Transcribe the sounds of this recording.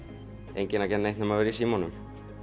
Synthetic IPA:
ḛjɲcɪnacɛt̪nejht̪nʏmavɛɾisiːmɔnʏm

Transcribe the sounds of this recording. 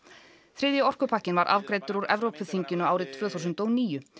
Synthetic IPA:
θɾɪðjʏɔr̥kʏpʰahcɪnvaɾʔa̰vkɾejt̪ʏɾuɾɛvɾowpɪθiɲcɪnʏaːwɾɪt̪ʰv̥œːθuws̬ʏnt̪ɔwniːjʏ

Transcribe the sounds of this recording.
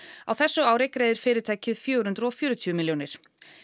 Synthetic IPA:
awθɛsːʏaːwɾɪkɾeːjðɪɾ̥fɪːɾɪɾt̪ʰaːjcɪðfjœːɾhʏnt̪ɾɔfjœːɾʏt̪ʰymɪljownɪɾ̥

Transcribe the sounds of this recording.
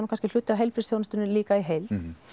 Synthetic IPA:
nːkanscɪl̥ʏt̪ːɪawɦɛjlpɾɪsθjownɪst̪ʏnʏliːkaiɦejlt̪

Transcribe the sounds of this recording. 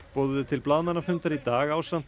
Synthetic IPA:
pɔːðʏðʏt̪ʰɪlplaðmanːafʏnt̪aɾit̪aːɣaːwsan̥

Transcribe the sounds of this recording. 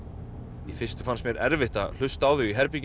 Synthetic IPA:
ifɪst̪ʏ̥fansmjɛɾɛ̰ɾvɪht̪a̰l̥ʏst̪aːwðʏiɦɛɾpic

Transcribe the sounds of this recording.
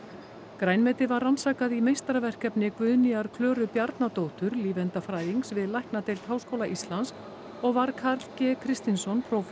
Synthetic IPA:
kɾaːjnmɛt̪ɪðvarːansaːkaðimejst̪ɾavɛr̥kɛpnɪkvʏðniaɾkʰlœːɾʏpjaɾt̪nat̪owt̪ʏɾliːvɛnt̪afɾaːjiŋksvɪðlajhknat̪ejlt̪haːwskowlaʔist̪lansk | ɔɣvaɾkʰaɾlcɛkʰɾɪst̪insɔnpʰɾowf

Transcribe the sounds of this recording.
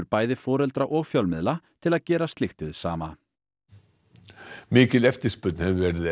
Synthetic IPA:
ɾpaːjðɪfɔːɾɛlt̪ɾaʔɔɣfjœlmɪðlat̪ʰɪlaðcɛːɾast̪lɪxt̪ɪðsa̰ːma̰ | mɪːcɪlɛft̪ɪ̥spʏt̪n̥hɛvɪvɛɾɪð

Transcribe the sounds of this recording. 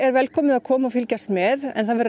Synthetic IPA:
ɛɾvɛlkʰɔːmɪðakʰɔːmaɔfɪlcast̪mɛðɛ̰nθaðvɛɾ

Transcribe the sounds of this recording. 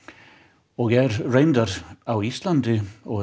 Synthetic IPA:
ɔɣjɛɾrejnt̪aɾawist̪lant̪ɪɔ

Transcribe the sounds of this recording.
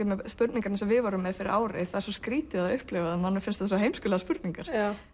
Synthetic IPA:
ɛmɛspʏɾt̪niŋkaɾnsɛmvɪðvaɾʏmːɛðfɪɾɪ̰ɾʔaːwɾɪ̰θaðɛɾsɔskɾiːt̪ɪaðʏhplɛvaðɪnmanːʏfɪnst̪asɔɦejmskʏːlaðaspʏɾt̪niŋkaɾ̥

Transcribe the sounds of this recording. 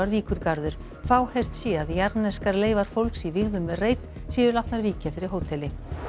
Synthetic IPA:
aɾviːkʏɾkaɾðʏɾ̥ | faːwhejr̥t̪sjɛaðjaɾnɛskaɾleːjvaɾ̥fowlksivɪɣðʏmvɛreːjt̪ | siːʏɾlaht̪naɾviːcafɪɾɪɾ̥ɦoːwt̪ʰɛlɪ

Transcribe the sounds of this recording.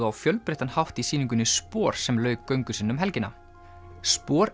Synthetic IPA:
ʏawfjœlpɾeht̪anhawft̪isiːniŋkʏnːɪspɔːɾ̥sɛmlœːɥkːœɥŋkʏsinːʏmɦɛlcɪnːa̰ | spɔːɾ

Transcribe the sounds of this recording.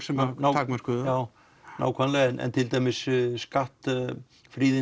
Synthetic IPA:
sɛmnaakmaɾkʰuðjaw | na̰wkʰanlɛɛnɛ̰nt̪ʰɪlt̪ʰɛmɪsskaht̪ | fɾiːðɪ

